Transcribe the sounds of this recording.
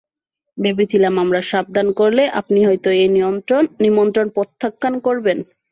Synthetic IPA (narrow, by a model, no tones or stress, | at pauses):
bebit̪ilamamɾaʃab̚d̪ʱankoɾleʔa̰pniɦɔjt̪oejnioɾonːimont̪ɾonpot̪ʰːakːankoɾben